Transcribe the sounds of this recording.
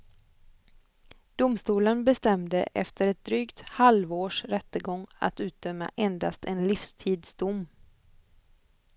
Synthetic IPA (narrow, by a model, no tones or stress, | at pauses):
d̪̥ʊmst̪uːlənbɛst̪ɛmd̪ə̰ʔɛ̰ft̪ʰəɾɛt̪̚d̪ɾyːkt̪halvoːʂɾɛt̪ːəɡɔŋːa̰t̪ʉ̟ːt̪̚d̪œmːa̰ʔɛnd̪ast̪ɛnlifst̪ʰiːd̪sd̪ʊmː